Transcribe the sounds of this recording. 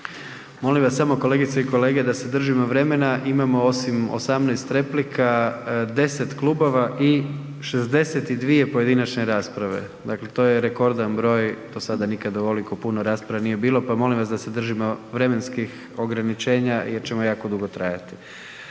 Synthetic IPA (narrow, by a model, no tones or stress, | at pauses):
mo̞limʋasːamo̞kole̞ːɡit̪saiko̞le̞ːɡe̞d̪ase̞d̪r̩ʒimo̞ʋɾe̞me̞naʔimamo̞o̞simo̰samnajst̪ɾe̞plikʰad̪e̞se̞t̪klˠubo̞ʋaʔi | ʃe̞zd̪e̞set̪id̪ʋije̞po̞je̞d̪inat͡ʃneɾaːspɾaʋe̞̰ | d̪akle̞t̪o̞ːjeɾe̞ko̞ɾd̪anbɾo̞ːjd̪o̞sad̪anikad̪auolikopunoɾaːspɾaʋanije̞biːlˠo̞pamo̞limʋasd̪ase̞d̪r̩ʒimo̞ʋɾe̞me̞nskix | o̞ɡɾanit͡ʃe̞ːɲajeɾt͡ɕe̞mo̞jaːkod̪uɡo̞t̪ɾaja̰t̪i̥